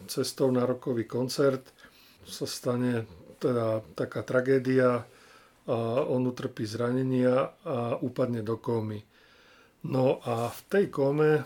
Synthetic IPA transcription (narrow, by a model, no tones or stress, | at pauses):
t͡sɛst̪ɔʊnaɾɔkɔʋiːkɔnt͡sɛɾt̪ | sast̪aɲɛt̪ɛd̪at̪akaːt̪ɾaɡɛːd̪ia | ɔnut̪r̩piːzɾaɲɛɲɪaauːpad̪ɲɛd̪ɔkɔːmi | nɔʔaft̪ɛjkɔmɛ